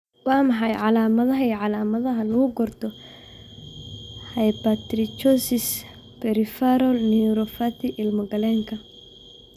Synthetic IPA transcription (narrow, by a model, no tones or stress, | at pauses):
wɑːmɑħɑjʕɑlaːmɐðɐɦɐijʕɑlaːmɐðɐɦɐlɐɣʊɡɔrt̪ʰɔ | hɐjpat̪ɾɪt͡ʃɔsɪs | pɛɾɪfaɾɔlniɾɔfat̪ʰɪʔɪlmɔɡɐlɛŋkʰɐ